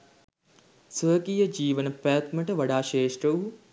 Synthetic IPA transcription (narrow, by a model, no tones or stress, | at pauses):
səːkijɐd͡ʒiːʋɐnɐpɐːt̪mɐʈɐʋɐɽaːʃeːʂʈɾɐʋ